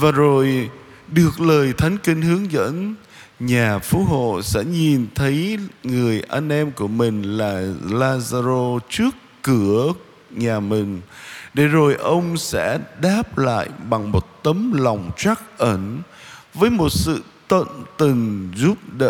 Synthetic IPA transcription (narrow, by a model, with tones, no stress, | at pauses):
vaː˨˩zo˨˩j | ɗɨ˨˩ək̚ləː˨˩jt̪ʰa˨˦jŋ̟ki˧ŋhɨ˨˦əŋzə̰˧˥n | ɲaː˨˩fu˨˦˥ɦo̰˧˨sɛ̰˧˥ɲi˨˩nt̪ʰə˨˦jŋɨ˨˩əjʔa˧nʔɛ˧mku˧˩əmï˨˩ŋ̟laː˨˩laː˧zaː˧zo˧t͡ɕɨ˦˥əkːɨ˧˩ə | ɲaː˨˩mï˨˩ŋ̟ɗe˧˩zo˨˩jʔə˧wŋ͡msɛ̰˧˥ɗaː˦˥p̚la̰ː˧˨jɓa˨˩ŋmo˨˩t̚t̪ə˨˦mla˨˩wŋ͡mt͡ɕa˦˥k̚ʔə˧˩nvəː˨˦jmo˨˩t̚sɨ̰˧˨t̪wə̰˧˨nt̪ɨ˨˩ŋzu˦˥p̚ɗə̰˧˨